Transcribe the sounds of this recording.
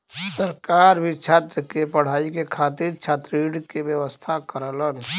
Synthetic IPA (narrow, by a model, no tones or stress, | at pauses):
səɾkaːɾbʱit͡ʃʰaːt̪ɾəkepəɽ̤aːikekʰaːt̪iɾt͡ʃʰaːt̪ɾiːɖkebjəʋəst̪ʰakəɾələn